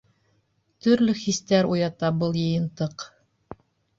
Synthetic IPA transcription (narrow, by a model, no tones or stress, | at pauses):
t̪ɵ̆ɾlɵxist̪æɾujɑt̪ɑbɤlˠjɤ̆jɤ̆nt̪ɤq